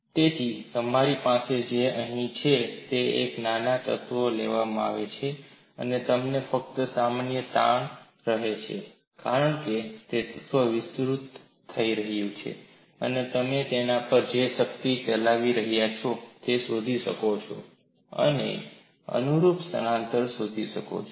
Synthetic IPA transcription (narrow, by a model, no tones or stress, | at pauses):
t̪et̪ʰit̪əmaɾipased͡ʒeəɦĩt͡ʃʰet̪eḛknanat̪ə̰t̪ʋoleʋamaa̰ʋet͡ʃʰe | ənet̪əmnefək̚t̪əsamanjət̪aɳ | ɾəɦet͡ʃʰe | kaɾəɳket̪et̪ət̪ʋəʋɪsɾut̪ʰː | əiɾəɦjũt͡ʃʰḛ | ə̰net̪əmet̪enapəɾd͡ʒeʃəkt̪it͡ʃəlaʋiɾəɦjat͡ʃʰot̪esod̪ʱiʃəkot͡ʃʰo̰ | ə̰nḛ | ə̰nuɾupsə̰nãnt̪əɾsod̪ʱiʃəko̰t͡ʃʰ